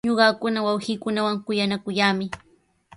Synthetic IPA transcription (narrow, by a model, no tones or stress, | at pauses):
ɲoɢɑkʊnawawɢiːkʊnawaŋkʊjanakʊjaːmɪ